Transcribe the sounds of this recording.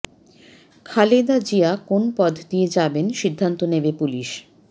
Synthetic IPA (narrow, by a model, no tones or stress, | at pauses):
kʰaled̪ad͡ʑiakonpɔd̪ʱd̪ied͡ʑabenʃid̪ʱːant̪onebepuliʃ